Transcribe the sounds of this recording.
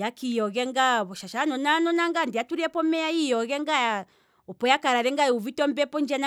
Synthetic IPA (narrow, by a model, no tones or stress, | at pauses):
jakijɔɣɛŋɡaβɔʃaʃanɔnanɔnaŋɡandiatuɾiɛpɔmɛaijɔɣɛŋɡaja | ɔpɔjakaɾaɾɛŋɡaɛuvitɔmbɛpɔnd͡ʒana